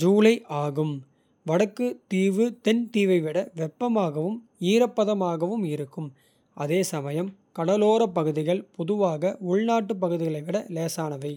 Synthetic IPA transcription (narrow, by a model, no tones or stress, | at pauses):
d͡ʒuːlɐɪʔaːɣɯm | ʋɐɽɐkːɯt̪iːʋɯt̪ɛnt̪iːʋɐɪʋɪɽɐʋɛpːɐmaːɣɐʋɯm | iːɾɐpːɐðɐmaːɣɐʋɯmɪɾɯkːɯm | ʔɐ̰ðeːsɐmɐjɐmkɐɽɐloːɾɐp̬ːɐɣɯðɪɣɐɭpɔðɯʋaːɣɐʊɭnaːʈːɯp̬ːɐɣɯðɪɣɐɭɐɪʋɪɽɐleːsaːnɐʋɐɪ